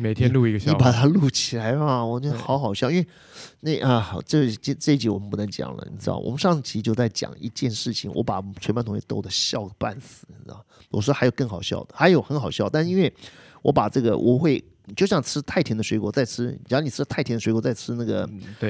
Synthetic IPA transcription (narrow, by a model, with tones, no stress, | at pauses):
me˨˩t̪ʰjɛ˥lu˥˧i˧ɡə˧ni˧˥pa˨˩t̪ʰa˥lu˥˩t͡ɕʰi˨˩la˧˥ɪa˧wɔ˨˩t͡ɕɥɛ˥˧xɑ˧˥ʊxɑ˨˩ʊɕjɑ˥ʊi˥nwe˥ɪ | ne˥˩ɪʔə˥˧˩ʈ͡ʂɤ˥˩t͡ɕʈ͡ʂɤ˥˧i˥˩t͡ɕi˧˥wɔ˨˩mə˦npu˥˩nə˧˥ŋt͡ɕjɑ̰˨˩ŋlə̰˦nḭ˨˩ʈ͡ʂʰɻ̩̰˥˩wɔ̰˨˩mə˦ʂɑ˥˧ŋ˥˩t͡ɕʰi˧˥t͡ɕjo˥˧ʊt͡sa˥˩ɪt͡ɕjɑ̰˨˩ŋi˧˥t͡ɕjɛ˥˧nʂɻ̩˥˩t͡ɕʰḭ˩ŋwɔ̰˧˥pa˨˩t͡sʰwma˥nt̪ʰŋ˥ɕt̪o˥ʊd̪ə˧ɕjɑ˥˩ʊpa˥˩nsɹ̩˨˩˧ | wɔ̰˨˩ʂ̩˥˧a˧˥jo˨˩ʊkɤ˥˩ŋxɑ˨˩ʊɕjɑ̰˥˩ʊd̪ə˩xa˧˥ɪjo˧˥ʊxə˧˥nxɑ˨˩ʊɕjɑ˥˩ʊt̪a˥˩nʂ̩˧i˥nwe˥˩ɪ | wɔ̰˧˥pa˨˩ʈ͡ʂɤ˥˩ɡə̰˩wʔɔ̰˨˩xwe˥˩ɪ | i˨t͡ɕo˥˧ʊɕjɑ˥˩ŋt͡sʰɹ̩˥t̪ʰa˥˩ɪt̪ʰjnd̪ə˩ʂwe˧˥ɪkwɔ˧˥t͡sa˥˩ɪt͡sʰɻ̩˥˨˩ni˨˩ɻ̩˥˧t̪ʰa˥˩ɪtʰjɛ˥d̪we˧˥kwɔ˧˥t͡sa˥˩ɪt͡sʰɻ̩˥na˥˩ɡə̰˩